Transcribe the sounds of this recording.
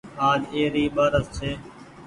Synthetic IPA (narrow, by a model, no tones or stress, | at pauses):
aːd͡ʒeːɾiːɓaːɾəzseː